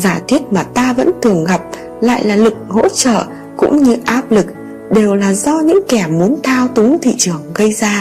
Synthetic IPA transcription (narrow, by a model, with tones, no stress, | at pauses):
zaː˧˩t̪ʰwi˦˥ət̚maː˨˩t̪aː˧və̰˧˥nt̪ʰɨ˨˩əŋɣa˨˩p̚ | la̰ː˧˨jlaː˨˩lɨ˨˩k̚ho̰˧˥t͡ɕə̰ː˧˨ | kʊ̰˧˥ŋ͡mɲɨ˧ʔaː˦˥p̚lɨ˨˩k̚ | ɗe˨˩wlaː˨˩zɔ˧ɲɨ̰˧˥ŋkɛ˧˩mu˨˦ənt̪ʰaː˧wt̪u˨˦ŋt̪ʰḭ˧˨t͡ɕɨ˨˩əŋɣə˧jzaː˧